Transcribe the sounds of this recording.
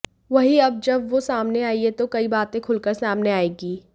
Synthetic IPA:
ʋɐɦiɐb̚d͡ʒɐbʋosaːmneaːiet̪okɐibaːt̪ẽkʰʊlkəɾsaːmneaːeːɡiː

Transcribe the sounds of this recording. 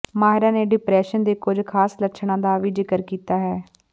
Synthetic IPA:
maːɦɪɾãːneːɖɪpɾɛːʃənd̪eːkʊd͡ʒkʰaːsləʃʰɳãːd̪aːʋiːd͡ʒɪkəɾkiːt̪aːɦɛː

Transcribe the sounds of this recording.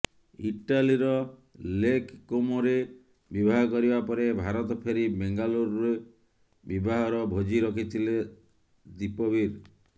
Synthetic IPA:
iʈaliɾɔlekkomɔɾe | bibʱaɦɔkɔɾibapɔɾebʱaɾɔt̪ɔpʰeɾibeŋɡaluɾɾe | bibaɦɔɾɔbʱod͡ʒiɾɔkʰit̪ʰile | d̪ipɔbiɾ

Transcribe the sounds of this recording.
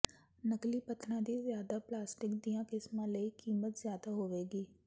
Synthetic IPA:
nəkliːpət̪ʰnãːd̪iːzjaːd̪aplaːsʈɪkd̪ijãkɪsmãləikiːmət̪zjaːd̪aɦoːʋeːɡiː

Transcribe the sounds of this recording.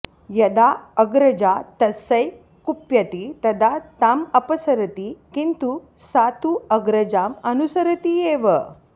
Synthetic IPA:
jɐd̪aːɐɡɾɐd͡ʒat̪ɐsɐj | kupjɐt̪it̪ɐd̪at̪amɐpɐsɐɾɐt̪ikint̪u | sat̪uɐɡɾɐd͡ʒaːmɐnusɐɾɐt̪ieːʋə

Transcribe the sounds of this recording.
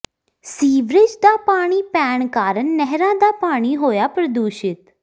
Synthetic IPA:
siːʋɾɪd͡ʒd̪aːpaːɽ̃iːpɛːɳkaːɾəɳːɛɦɾãːd̪aːpaːɽ̃iːɦoːjaːpɾəd̪uːʃɪt̪

